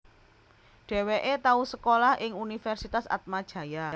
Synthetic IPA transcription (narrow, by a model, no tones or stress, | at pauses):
ɖ̥e̤weʔet̪ausəkolahʔɪŋunifɛrsit̪asa̰t̪̚mad̥ʒ̥ä̤ja